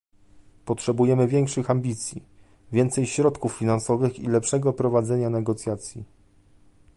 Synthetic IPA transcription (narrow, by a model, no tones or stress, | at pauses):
pɔtʂɛbujɛmɘvʲjɛŋkʂɘxambʲit̪sʲjḭ | vʲjɛnt̪sɛjɕɾɔt̪kufːʲinansɔvɘxḭlɛpʂɛɡɔpɾɔvad̪zɛɲanɛɡɔt̪sʲjat̪sʲjḭ